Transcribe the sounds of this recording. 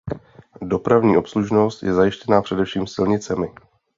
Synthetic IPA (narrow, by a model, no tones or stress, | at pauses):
do̞pɾavɲiːʔo̞psluʒno̞st̪jɛzajɪʃcɛnaːpr̝̥ɛdɛfʃiːmsɪlɲɪt͡sɛmɪ